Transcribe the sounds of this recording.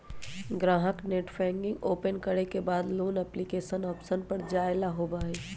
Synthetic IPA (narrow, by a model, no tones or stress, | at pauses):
ɡɾãːɦəkneːʈfʰɛ̃ːŋɡɪ̃ŋɡoːpənkɐɾekebaːd̪loːnɛplikeːʃənɔːpsənpɐɾd͡ʒaːɪlaɦoːbaːeː